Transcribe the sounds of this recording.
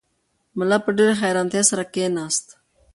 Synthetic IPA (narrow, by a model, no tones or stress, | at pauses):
mʊlapəɖeɾexajɾɑnt̪jesaɾakenɑːst̪